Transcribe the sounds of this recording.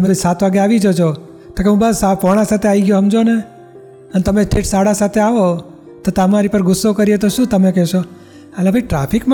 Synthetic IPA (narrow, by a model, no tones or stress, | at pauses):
əmebsat̪ʰʋaɡeaʋid͡ʒot͡ʃʰo | t̪akeɦũbasapɔɽ̃ãsat̪ʰeaʋiɡjoɦəmd͡ʒone | ənet̪əmesʈeʈsaɽasat̪ʰeaʋo | t̪ot̪əmaɾipəɾɡʊsːokəɾijet̪oʃũt̪əmekɛʃo | əlebʱəiʈɾapʰikm